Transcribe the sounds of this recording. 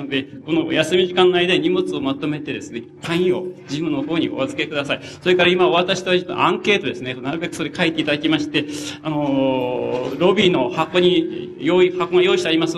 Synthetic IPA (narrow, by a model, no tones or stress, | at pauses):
nod̪e̞ko̞no̞jasɨmʲiʑikãnːoaijd̪aiɲ̟imo̞t͡sɨo̞mat̪o̞me̞t̪e̞d̪e̞sɨne̞kʰãĩo̞̰d͡ʑibɯ̟̃nːoho̞ːɲ̟ḭoβazɨ̥ke̞kɯd̪asaiso̞ɾe̞kaɾaimaβat̪aɕi̥t̪eat̪ːãŋke̞ːt̪od̪e̞sɨneonaɾɯ̟be̞kɯ̟so̞ɾekaet̪ːe̞it̪ad̪akʲimaɕi̥t̪e̞ano | ɾo̞bʲino̞hako̞ɲ̟ijoihakoŋajo̞ːiɕi̥t̪aɾʲimas